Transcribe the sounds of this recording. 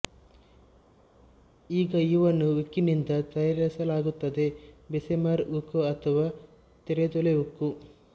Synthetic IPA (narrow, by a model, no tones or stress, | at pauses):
iːɡɐiʋɐnːuʋikːinind̪ɐt̪ɐjaɾɐsɐlaːɡut̪ːɐd̪e̞besemaɾukoɐt̪ʰɐʋaː | t̪eɾet̪ɔleukːu